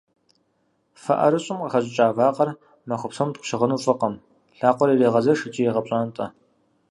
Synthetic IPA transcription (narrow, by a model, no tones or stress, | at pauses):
fɐ̰ʔɐ̰ɾɨɕʼɪmqɐxɐɕʼɪt͡ʃʼaːvaːqɐr | mɐxʷʊpsɐmt̚qʷʃɪʁənuːfʼɨqɐm | ɬaːqʷɔɾireːʁɐzɐrʂɨt͡ʃʼijeʁɐpɕʼaːntʼɐ